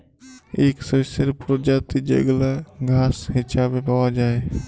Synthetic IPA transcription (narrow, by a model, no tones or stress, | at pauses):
eːksəsəɾpɾod͡ʒat̪id͡ʒə̰ɡlaɡʱaːsɦɪt͡ʃʰabebawad͡ʒaːe